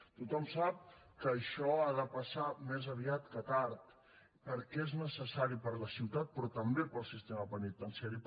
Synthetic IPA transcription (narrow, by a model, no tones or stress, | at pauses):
t̪ut̪ɔmsap̚kəːʃɔaðəpəsamezəβ̞iat̪kət̪aɾt̪ | pəɾkɛeznəsəsaɾipəɾləsiwt̪at̪̚pɾɔt̪əmbepəlˠsist̪eməpənit̪ːənsɛɾi